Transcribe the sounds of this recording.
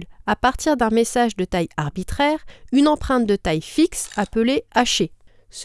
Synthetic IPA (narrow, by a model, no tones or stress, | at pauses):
lapaʁt̪iʁd̪ɛ̃mesaʒd̪ət̪ajaʁbit̪χɛʁynɑ̃pχɛ̃t̪̚d̪ət̪ajfiksapəleaʃe | s